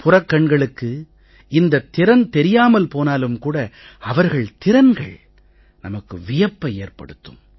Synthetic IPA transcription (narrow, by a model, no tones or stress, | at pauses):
pʰʊrɐkːɐɳɡɐɭɯkːɯ | ɪnd̪ɐt̪ːɪɾɐnt̪ɛɾɪjaːmɐlpoːnaːlɯmkuːɽɐɐʋɐɾɣɐɭt̪ɪɾɐnɡɐɭ | nɐmɐkːɯ̰ʋɪjɐpːɐeːrpɐ̰ɽɯt̪ːɯ̰m